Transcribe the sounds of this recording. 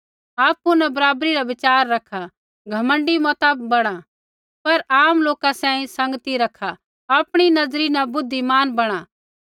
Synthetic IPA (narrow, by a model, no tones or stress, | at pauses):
aːpːunɛbɐɾaːbɾiɾaʋɪt͡ʃaːɾːɐkʰa | ɡʱɐmə̃ɳɖimɔt̪abɐɽ̃a | pɐɾaːmloːkasãːĩsɐ̃ŋɡt̪iɾɐkʰːa | aːpɽ̃inɐzɾinɛbʊd̪ʱːimaːnbɐɽ̃a